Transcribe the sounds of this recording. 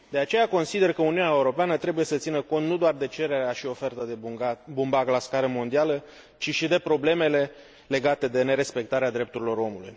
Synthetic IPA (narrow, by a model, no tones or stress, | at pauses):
d̪̥e̞at͡ʃe̞jako̞nsid̪e̞rkəuniuneaeuɾo̞peanət̪ɾe̞buje̞sət̪sinəko̞nt̪nud̪oard̪e̞t͡ʃe̞ɾe̞ɾeaʃio̞fe̞rt̪əd̪eabumbaɡlaskaɾəmo̞nd̪ialə | t͡ʃiʃid̪e̞pɾo̞ble̞me̞le̞ | le̞ɡat̪e̞d̪e̞ne̞ɾe̞spe̞k̚t̪aɾead̪ɾe̞p̚t̪uɾilo̞ɾo̞mulṵj